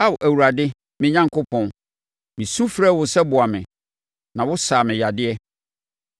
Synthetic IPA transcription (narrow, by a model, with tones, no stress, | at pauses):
a˦˨wʔæ˨wu˨ɾa˨dɪ˦ | mɪ̃˦ɲã˦ŋkʰʊ˦pʰɔ̃˨n | mĩ˨sũ˦fɾɛː˦˨wʊ˨sɛ˦bʊ˨a˨mɪ̃˨ | nã˨wʊ˦saː˨mɪ̃˨ja˨dɪ˦ɛ˦